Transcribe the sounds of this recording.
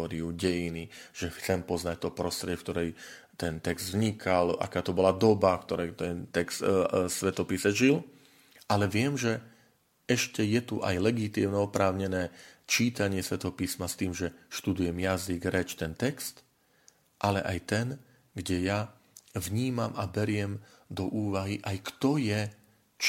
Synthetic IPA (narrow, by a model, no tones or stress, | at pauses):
ɔɾiuɟɛjiniʒ̥ɛxt̪t͡sɛmpɔznac̚t̪ɔpɾɔst̪ɾɛɛfkt̪ɔɾɛj | t̪ɛnt̪ɛkz̥d̪vɲikʰala̰kaːt̪ɔbɔlad̪ɔbafkt̪ɔɾɛjt̪ɛnt̪ɛkst̪sʋɛt̪ɔpisɛʒil | ʔalɛʋɪɛmʒɛ | ɛʃcɛjɛt̪uʔajlɛɡit̪iːmnɛɔpɾaːʊɲɛnɛːt͡ʃiːt̪aɲɪɛsʋɛt̪ɔɦɔpismast̪iːmʒɛʃt̪ud̪ujɛmjaziɡɾɛt͡ʃt̪ɛnt̪ɛkst̪ | ʔalɛ̰ʔajt̪ɛn | ɡɟɛja | vɲiːmamabɛɾɪɛmd̪ɔʔuːʋaɦiʔajkt̪ɔjɛ | t͡ʃ